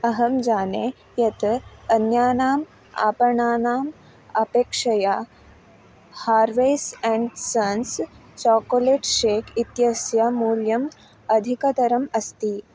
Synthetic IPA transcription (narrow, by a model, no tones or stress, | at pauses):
ɐɦɐmd͡ʒaːneː | jɐt̪ɐnjaːnaːm | a̰ːpɐɳaːnaːm | ɐpeːkʂɐja | haːɾʋeːsɛ̃ɳɖsɐns | t͡ʃɔːkoleːʈʃeːkʰit̪jɐsjamuːljɐm | ɐd̪ʱikɐt̪ɐɾɐmɐst̪iː